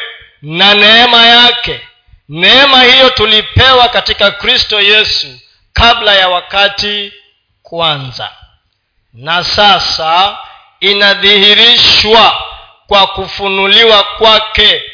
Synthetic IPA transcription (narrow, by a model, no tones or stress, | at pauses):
nanɛɛmajakɛ | nɛɛmahijɔtulipɛwakatikakɾistɔjɛsu | kablajawakati | kwanza̰ | nasasa | inaðihiɾiʃwa | kwakufunuliwakwakɛ